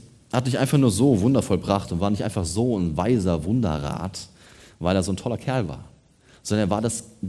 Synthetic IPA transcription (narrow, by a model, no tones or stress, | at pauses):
hat̚d̥ɪçʔaɪnfaχnuːɐzoːvʊndɐfɔlbʁaχtʊntv̥aːɐnɪçtʔa̰ɪnfaχz̥oːnvaɪzɐvʊndɐ̰ʁa̰ːt | vaɪleːɐzoːntʰɔlɐkʰɛɐlva̰ːɐ | z̥ɔndɐnɐvaːɐdas